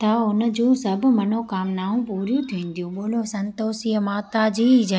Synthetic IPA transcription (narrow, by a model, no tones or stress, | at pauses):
t̪ɐʊnə̆d͡ʑũːsɐbʱʊ̆mɐnokaːmnaːɦũpuːɾjũt̪ʰiĩːn̆d̪ijũɓoːl̤osɐ̃nt̪oːsijəmaːt̪ad͡ʑiːd͡ʑɐ